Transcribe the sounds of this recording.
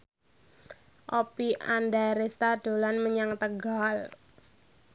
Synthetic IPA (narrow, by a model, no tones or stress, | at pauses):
ʔopiʔandaɾest̪aɖ̥o̤lanməɲaŋt̪əɡal